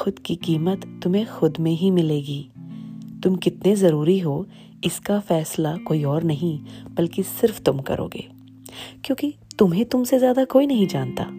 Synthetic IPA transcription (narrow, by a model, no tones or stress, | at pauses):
xʊd̪kikiːmət̪ːʊmẽxʊd̪mẽɦimɪleːɡiː | t̪ʊmkɪt̪nezɐɾuːɾiɦoː | ɪskafɛːslakoːiɔːɾnɐɦĩb̥ɐlkisɪɾft̪ʊmkɐ̰ɾʔo̰ːɡḛː | kjõːkit̪ʊmɦẽt̪ʊmsezjaːd̪akoːinɐɦĩd͡ʒaːnt̪a̰ː